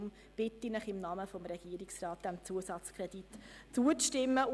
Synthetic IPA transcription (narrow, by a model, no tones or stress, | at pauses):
m | b̥ɪtːinəχɪmnɑməfɔmɾɛɡ̥iəɾiksrɑːt̚d̥ɛmt͡suəsɑt͡skʰʁɛd̥itt͡suət͡sʃtɪmːə